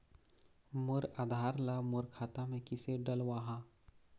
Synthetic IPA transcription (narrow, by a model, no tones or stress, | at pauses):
mʊɾaːd̪ʱaːɾlamʊɾkʰaːt̪amẽkɪseɖəlwaːɦã